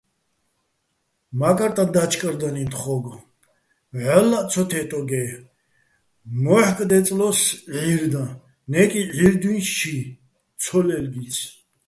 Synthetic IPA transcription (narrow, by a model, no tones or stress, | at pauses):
makʼaɾt̪ʼad̪at͡ʃʰʼkʼɾd̪anint̪χɔɡ | ʕɔlːat͡sʰɔt̪ʰɛt̪ʼɔɡɛ | mɔħkʼd̪ɛt͡sʼlɔsʕiɾd̪ã | nɛkʼiʕiɾd̪winsʃʰi | t͡sʰɔlɛlɡisʰ